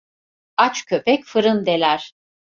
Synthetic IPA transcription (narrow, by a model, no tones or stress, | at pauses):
at͡ʃkʰø̞pɛcfɯɾɯnd̪elʲæɾ̥